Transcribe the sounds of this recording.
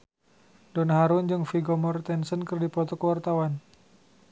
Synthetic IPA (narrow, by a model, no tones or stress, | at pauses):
dɔnaɦaɾʊnd͡ʒɨŋfiɡɔmɔrt̪ɛnsənkərdipɔt̪ɔkəwart̪awan